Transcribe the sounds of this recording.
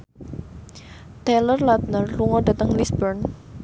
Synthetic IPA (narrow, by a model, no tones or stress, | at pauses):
t̪elərlat̪̚nərluŋɔdat̪əŋlisbərn